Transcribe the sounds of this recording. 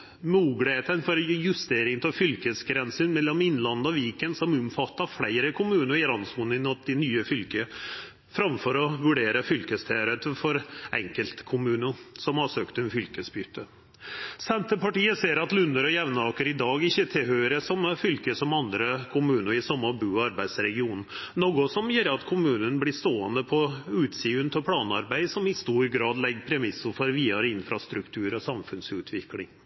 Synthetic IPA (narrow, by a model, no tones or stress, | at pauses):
muːɡlɪheːt̪ənfɔɾjʉst̪eːɾɪŋt̪ʰɔfʏlkəsɡɾɛnsənmɛlːɔmɪnːlɑnːəɔʋiːkənsɔmʊmfɑt̪ːɑflæɪɾəkʰʊmʉːnəɾɪɾɑnsmunɪnɑt̪d̪ɪnyːəfʏlkə | fɾɑmfɔɾɔʋʉɖeːɾəfʏlkəst̪ʰɛːɾət̪fɔɾɛ̰ŋkəlt̪kʰʊmʉːnəsɔmhɑsøːkt̪əɛnfʏlkəsbyːt̪ʰːə | sɛnt̪əpɑʈiːəseːɾɑt̪lʉnːəɾɔjɛʋnɑːkəɾɪd̪ɑːɡɪçːət̪ʰɪlhœʏɾəsɔmfʏlkəsɔmɑnd̪ɾəkʰʊmʉːnəɾɪsɔmːəɔbʉːɑɾbæɪd̪sɾɛɡɪuːnn̩noɡʊsɔmjɛːɾəɑt̪kʰʊmʉːnənblɪʂt̪oːənd̪əpʰɔʉːt̪siːʉnt̪ʰəɔpʰlɑːnɑɾbæɪsɔmɪst̪uːɾɡɾɑːd̪lɛɡːəpʰɾɛmɪsːʊfɔɾʋiːɑɾəɪnːfɾɑst̪ɾʉkt̪ʰʉːɾɔsɑmfʉnsʉːt̪ʰʋɪklɪ̰ŋ